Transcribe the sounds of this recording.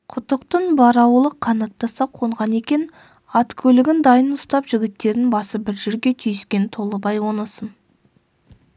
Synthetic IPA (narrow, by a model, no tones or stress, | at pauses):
qʰʊt̪əqt̪ənbɑɾɑwəlˠəqʰːɑnɑt̪ːɑsɑqʰo̞ɴʁɑne̞kʲe̞n | ɑt̪kʲʰɵlɪɡʲɪnd̪ɑjənʊst̪ɑpʒɪɡʲɪt̪ːe̞ɾɪnbɑsəbɪɾʒɪɾɡʲe̞t̪ʰʏjɪskʲe̞nt̪ʰo̞lˠəbɑjwo̞nəsən